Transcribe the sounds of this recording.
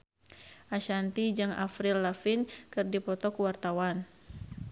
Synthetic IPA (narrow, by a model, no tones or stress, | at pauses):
ʔaʃant̪id͡ʒɨŋa̰fɾilːafinkɨrdipɔt̪ɔkwart̪awan